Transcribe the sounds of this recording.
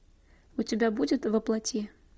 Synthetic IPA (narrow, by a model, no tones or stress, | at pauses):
ʊtʲɪbʲabudʲɪt̪vɐplˠɐtʲe